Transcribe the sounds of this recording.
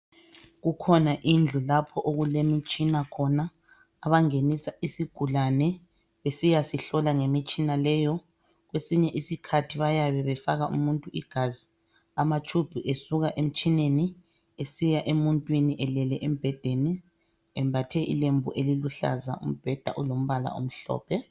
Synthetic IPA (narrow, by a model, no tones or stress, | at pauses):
ɣukʰɔnaʔind͡ɮʱulapʰɔʔoɣulemit͡ʃʼinakʰɔnaː | βaŋenisaʔisiɡ̥ʱulanɛ | βesijasiɬɔlaŋemit͡ʃʼinalɛːjɔ | ɣwesiɲɛʔisikʰatʰiβajaβɛβɛfaɣaʔṵmuntʼuʔiɡ̥ʱazi | amat͡ʃʰʼub̥ʱuʔesuɣaʔem̩t͡ʃʼineni | esijaʔemuntʼwiniʔɛlɛlɛʔem̩b̥ʱɛd̥ʱenɛ | ɛmbʱatʰɛʔḭlembʱṵʔeliluɬa̰za̰ʔṵm̩b̥ʱɛd̥ʱa̰ʔulom̩βala̰ʔo̰m̩ɬɔ̰ːpʰɛ